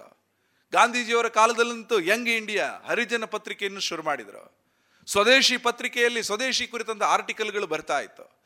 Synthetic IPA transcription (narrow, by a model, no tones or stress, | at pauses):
ɡaːnd̪ʱiːd͡ʒiːʋɐɾɐkaːlɐd̪ɐlːɐnt̪ujɐŋɡiɳɖijɐɦɐɾid͡ʒɐnɐpɐt̪ɾikejɐnːuʃuɾumaːɽid̪ɾṵ | sʋɐd̪eːʃipɐt̪ɾikɛjɐlːisʋɐd̪eːʃikuɾit̪ɐnt̪ɐaːɾʈikɐlɡɐɭubɐɾit̪aːjḭt̪ːu̥